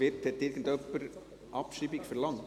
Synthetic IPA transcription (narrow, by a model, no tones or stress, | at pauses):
ɪt̪hɛt̪ːɪɾɡən̩t̪œpːəɾ | ʔɑpʃibɪkfəɾlɑŋ